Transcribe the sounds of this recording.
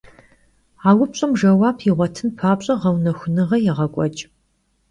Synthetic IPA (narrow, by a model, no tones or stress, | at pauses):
aːwʊpɕʼɐmʒɐwaːpʰiʁʷɔtʰɨnpʰaːpɕʼɐʁɐwnɐxʷʊnɨʁɐjɛʁɐkʷʼɔt͡ʃʼ